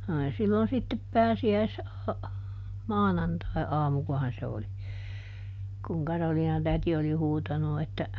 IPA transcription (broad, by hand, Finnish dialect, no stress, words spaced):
oli silːon sitːep pæːsiæis mɑːnɑntɑiɑːmukohɑn se oli kuŋ kɑroliːnɑtæti oli huːtɑnu etːæ